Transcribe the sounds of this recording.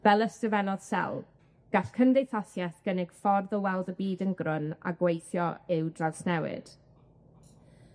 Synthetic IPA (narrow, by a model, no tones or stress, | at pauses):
v̥ɛlˠəstəvɛnɔð̥sɛ̰lˠ | ɡ̥aɬkʰəndejθɔθjɛθɡ̥ənɪɡ̥fɔrðəwɛlˠdəbiːdənɡrʊna̰ɡwejθjɔɪwdraðsnɛwɪ̰d̥